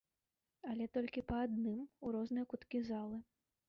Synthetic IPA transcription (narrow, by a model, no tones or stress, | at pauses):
alʲɛt̪ɔlʲkʲipɐːd̪nɨmuɾɔznɨjɐkut̪kʲizalˠɨ